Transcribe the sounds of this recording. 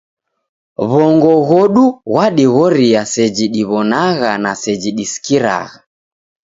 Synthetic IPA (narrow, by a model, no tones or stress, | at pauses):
βɔŋɡɔɣɔɗuɣwaɗiɣɔɾiasɛd͡ʒiɗiβɔnaɣanasɛd͡ʒiɗisi̥kiɾa̰ɣa